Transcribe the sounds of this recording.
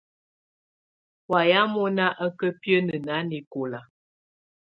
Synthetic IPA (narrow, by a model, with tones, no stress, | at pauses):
wa˨ja˨˦mɔ˦na˦ʔə˦kə˦pjə˦nə˨na˨˦ni˨ko˨la˨